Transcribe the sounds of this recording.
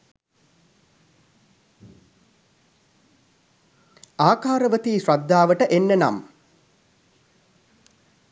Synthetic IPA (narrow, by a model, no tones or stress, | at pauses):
aːkaːɾəʋət̪iːsɾad̪ːaːʋəʈəʔenːena̰m